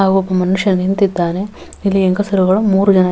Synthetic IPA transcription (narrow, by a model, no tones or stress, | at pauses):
aːɡuɔpːɐmɐnuʂjɐnint̪id̪ːaːne | ilːieŋkɐsɐɾuɡɐɭumuːɾud͡ʒɐnɐ